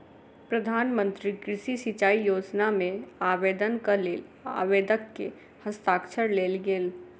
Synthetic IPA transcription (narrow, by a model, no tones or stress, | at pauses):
pɾəd̪ʱaːnmə̃nt̪ɾikɾɪʃisit͡ʃaːijoːd͡ʒnamẽaːʋeːd̪ənkalea̰ːʋeːd̪əkːe | həst̪aːkʃəɾleːlɡeːl